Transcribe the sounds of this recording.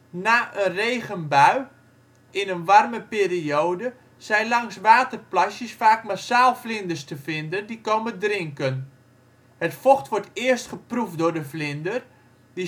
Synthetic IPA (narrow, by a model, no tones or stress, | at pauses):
naːʔənrejɣənbœɥ | ʔɪnənʋarməpeːriowdə | sɛjnlɑŋsʋaːtərplasjəsfaːkmasaːlˠflɪndərstəfɪndəndikowməndrɪŋkən | hətfoxtʋɔɹtɪəstχəprufdʊɹdəflɪndər | di